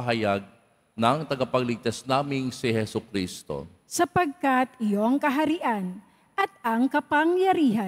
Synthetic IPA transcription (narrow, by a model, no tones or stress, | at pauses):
ɦɐjaɡ̚ | nɐŋt̪ɐɡɐpɐɡlɪɡ̚t̪asnaːmɪŋsihɛsʊkɾist̪o̞̰ | sɐpɐɡ̚kat̪ɪjoɐŋkɐɦɐɾiʔan | ʔɐt̪̚ʔɐŋkɐpɐŋjɐɾiːɦɐ